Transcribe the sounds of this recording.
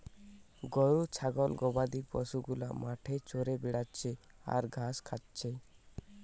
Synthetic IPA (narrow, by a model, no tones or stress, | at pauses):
ɡɔɽut͡ʃʰaɡɔlɡɔbad̪ipɔ̰suɡula̰maʈʰet͡ʃoɾebeɽatt͡ʃʰea̰ɾɡʱaskʰatt͡ʃʰe